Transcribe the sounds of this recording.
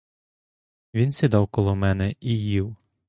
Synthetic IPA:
ʋʲinsʲid̪ɑwkɔlˠɔmɛnɛʔijiw

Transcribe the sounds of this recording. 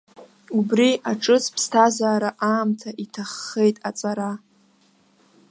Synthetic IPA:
ubriaʈ͡ʂʼɨspʰstʰazaːɾaʔaːmtʰaʔitʰaχːe̞jtʼat͡sʼaɾa

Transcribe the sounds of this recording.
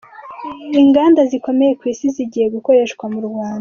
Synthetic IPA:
iŋɡaːndaziko̞meje̞kwiːsiziɟihe̞ɡuko̞ɾe̞ʃkɡwamuɾɡwaːnda

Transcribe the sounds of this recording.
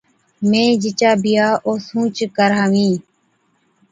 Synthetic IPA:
mẽːd͡ʒɪt͡ʃaːbɪjaːʔoːsũːt͡ʃkəɾaːʋĩː

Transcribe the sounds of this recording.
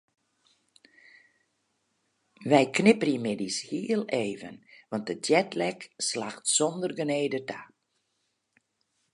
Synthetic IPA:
ʋɛjknɪpərimɪdishiːəlˠeːvə̰nʋɑnt̚dədjɛtlɛkslaxtsɔndərɡəneːdətʰa

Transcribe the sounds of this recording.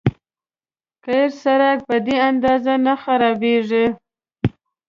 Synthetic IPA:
kaɾsaɾak̚pəd̪eand̪ɑzanaxaɾɑbeʐi

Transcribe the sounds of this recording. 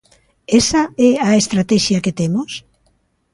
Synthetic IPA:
esaɛaest̪ɾat̪ɛʃjɐket̪emos

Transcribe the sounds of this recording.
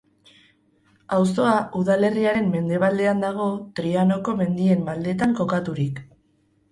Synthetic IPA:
aws̬o̞aʔuðale̞riaɾe̞mːe̞nd̪e̞β̞ald̪e̞and̪aɣ̞o̞t̪ɾiano̞ko̞me̞nd̪ie̞mːald̪e̞t̪aŋko̞kat̪uɾik

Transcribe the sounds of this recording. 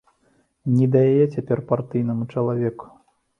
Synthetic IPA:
nʲɛd̪ɐjajɛt͡sʲapʲɛrpart̪ɨjnɐmut͡ʂɐlˠavʲɛku̥

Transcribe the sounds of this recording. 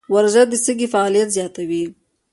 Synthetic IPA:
waɾzad̪əsəɡifaɑlijat̪zjɑt̪awi

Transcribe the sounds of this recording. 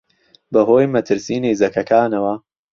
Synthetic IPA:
bɐɦoːjmɐt̪ʰɨɾsiːneːzɐkɐkʰaːnɐwɐ

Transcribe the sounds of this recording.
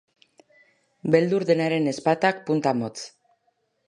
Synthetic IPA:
be̞ld̪uɾðenaɾe̞ne̞spat̪ak̚punt̪amo̞t͡s

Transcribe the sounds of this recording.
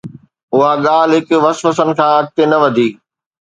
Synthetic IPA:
ʊɦaɠaːlɦɪkʊʋɐsʋəsənɪ̆kʰãːɐk̚t̪enɐʋɐd̪ʱiː

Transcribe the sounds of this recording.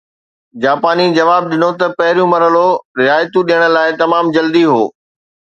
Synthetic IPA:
d͡ʑaːpaːnid͡ʑɐʋaːb̚ɗɪnot̪ɐpɐɦɪɾijũmɐɾəloɾɪɦaːjt̪ũɗiəɽ̃ə̆laːɪt̪ɐmaːmd͡ʑɐld̪iɦoː

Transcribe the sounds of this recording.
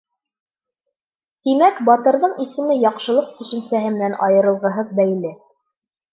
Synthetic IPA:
t̪imækbɑt̪ɤ̆ɾðɤɴisɘ̆mɘjɑqʃɤ̆lˠɤq̚t̪ɵ̆ʃɘ̆nsæɦɘmɘ̆nænʔɑjɤ̆ɾɤ̆lˠʁɤ̆ɦɤð̚bæjlɘ

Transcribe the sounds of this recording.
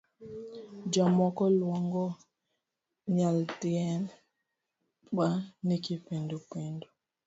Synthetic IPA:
d͡ʒɔmɔkɔlwɔŋɡɔ | ɲaltiɛn | ɓanikipendupendu

